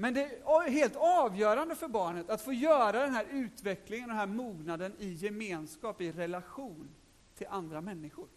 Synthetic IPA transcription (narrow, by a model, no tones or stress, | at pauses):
mɛnd̪ɛɦeːlt̪ɑːvjœːɾand̪əfœɾbɑːɳət̪at̪foːjœːɾad̪ɛnɦæːɾʉ̟ːt̪vɛklɪŋənd̪ɛnɦæːɾmuːɡnad̪ənɪjɛmeːnskɑːpɪɾɛlaɧuːn | t̪ʰɪlʔand̪ɾamɛnːɪɧʊɾ